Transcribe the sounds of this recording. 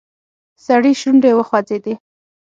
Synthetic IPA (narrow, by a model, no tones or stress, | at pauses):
saɽiʃunɾewəxwad͡zed̪i